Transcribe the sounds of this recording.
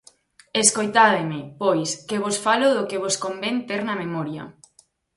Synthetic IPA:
eskojt̪aðemɪpojskeβ̞osfalʊðʊkeβoskombent̪eɾnɐmemɔɾjɐ̰

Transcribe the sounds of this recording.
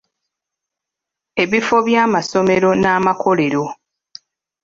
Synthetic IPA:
e̞βifo̞βjaːmaso̞meɾo̞naːmako̞le̞ɾo̞

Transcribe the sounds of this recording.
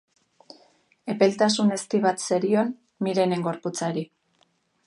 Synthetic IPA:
e̞pe̞lt̪asune̞st̪iβat̪seɾion | miɾe̞ne̞ŋɡo̞ɾput͡saɾi

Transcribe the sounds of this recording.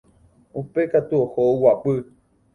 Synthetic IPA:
upekat̪uohoowapɨ

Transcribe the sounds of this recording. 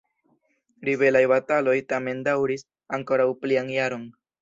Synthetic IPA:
ɾibe̞lajbatalo̞jtame̞ndawɾis | aŋko̞ɾawplianjaɾo̞n

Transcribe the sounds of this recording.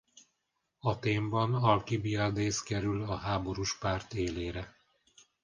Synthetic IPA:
ɒt̪eːmbɒnɒlkibiɒd̪eːskɛɾylɒɦaːbo̞ɾuʃpaːrt̪eːleːɾɛ

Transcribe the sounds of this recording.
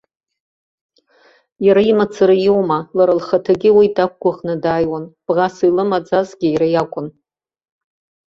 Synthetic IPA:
jaɾaimat͡sʰɨɾajiwmalaɾalχatʰaɡʲɪwitʰʼak̚ʷʰkʷaχnɨdaːjwanb̥ʁasilɨmad͡zazɡʲɪjɾajakʷʼʊn

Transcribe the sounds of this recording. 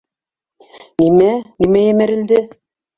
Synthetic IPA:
nimænimæjæmæɾɘ̆ld̪ɘ

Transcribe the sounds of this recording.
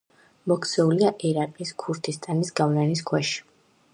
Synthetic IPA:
mɔkʰsɛuliaʔɛɾaqʼiskʰuɾt̪ʰist̪ʼanisɡavlaniskʰwɛʃi̥

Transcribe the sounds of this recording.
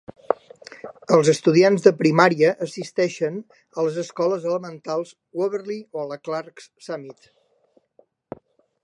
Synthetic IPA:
əlˠzəst̪uð̞ianzðəpɾimaɾiəʔːsist̪ɛʃən | ələzəskɔləzələmənt̪alˠz | wəβəɾlioələklarkssamit̪

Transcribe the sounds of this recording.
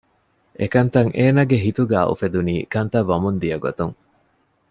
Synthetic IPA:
ʔekɐnt̪ɐŋʔeːnɐɡeɦit̪uɡæːʔṵfed̪uniːkɐnt̪ɐʋːɐmund̪ijɐɡo̰t̪uŋ

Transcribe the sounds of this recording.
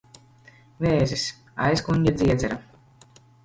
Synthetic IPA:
veːzʲis | a̰jskuɲʲɟʲɛd̪zʲiɛd̪zɛɾa

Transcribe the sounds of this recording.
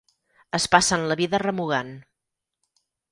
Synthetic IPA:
əspasənləβiðərəmuɣan

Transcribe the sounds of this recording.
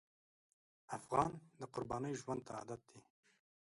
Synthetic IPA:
afɣɑːnd̪əqʊɾbɑːnəjʒwand̪̚t̪ʰaa̰ːd̪at̪̚d̪i

